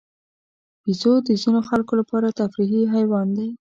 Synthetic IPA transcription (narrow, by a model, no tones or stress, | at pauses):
bizod̪əzinoxalkolapɑɾat̪afɾiɦiɦajwɑnd̪e